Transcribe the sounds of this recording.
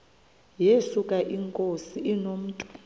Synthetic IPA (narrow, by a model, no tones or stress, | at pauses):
jesukʼaʔiŋkʼosiinom̩ːtʼu̥